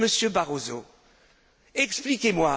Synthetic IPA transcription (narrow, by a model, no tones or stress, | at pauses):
məsjøbaʁozo̰ | ɛksplikʲemwa